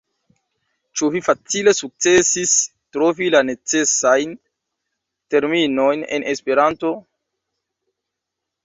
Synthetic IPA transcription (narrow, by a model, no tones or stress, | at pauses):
t͡ʃuvifat͡sile̞suk̚t͡se̞sis | tɾo̞vilane̞t͡se̞sajn | te̞ɾmino̞jne̞̰nʔespe̞ɾanto̞